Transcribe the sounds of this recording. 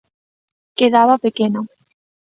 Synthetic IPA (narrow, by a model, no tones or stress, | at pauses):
keðaβapekeno